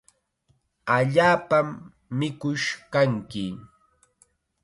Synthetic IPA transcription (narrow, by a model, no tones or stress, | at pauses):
aʎaːpamː | ɪkʊʃkaŋkɪ